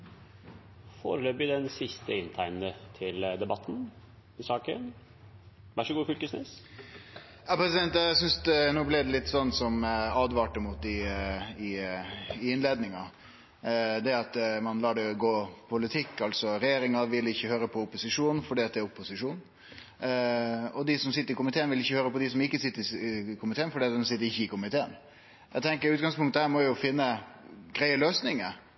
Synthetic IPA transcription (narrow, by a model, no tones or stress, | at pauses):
fo̰ːɾəløːbɪd̪ɛnsɪst̪əɪnt̪ʰæɪnnət̪ʰɪld̪ɛbɑt̪ːn̩ | ɪsɑːkə̰n | ʋæʂɔɡuːfʏlkəsnḛːs | jɑːpɾɛsɪd̪ɛnt̪jæsʏnsd̪nuːblɪd̪ɛlɪt̪ːsɔnːsɔmɑːd̪ʋɑːʈəmʊt̪ɪɪ | ɪɪnleːd̪nɪŋɑ | d̪ɛɑt̪mɑnlɑːɖɛɡoːpʰʊlɪt̪ʰɪkːɑlsɔɾɛjeːɾɪŋɑʋɪlɪçːəhøːɾəpʰɔʊpːʊsɪʂuːn̩fɔɖiːɑt̪̚d̪ɛːɾʊpːʊsɪʂuːn | ɔd̪ɪsɔmsɪt̪ːəɾɪkʊmɪt̪ʰeːənʋɪlɪçːəhøːɾəpɔd̪ɪsɔmɪkːəsɪt̪ːəɾɪkʰʊmɪt̪ʰeːənfɔɖiːɑt̪̚d̪ɛnsɪt̪ːəɾɪçːəɪkʊmɪt̪ʰeːən | ʔæ̰t̪ʰɛŋkəɾʉːt̪̚ɡɑŋspʰʊŋt̪ːəhæːɾmɔjʊfɪnːəɡɾæɪəløːsnɪŋə